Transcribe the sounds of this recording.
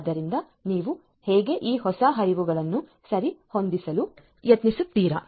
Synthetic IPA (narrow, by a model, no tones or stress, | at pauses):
d̪ɐɾind̪ɐ | niːʋu | hɛːɡe̞ʔiːɦɔsɐɦɐɾiʋuɡɐɭɐnːu | sɐɾiho̞nd̪isɐlu | jɐt̪nisut̪ːiːɾɐ̰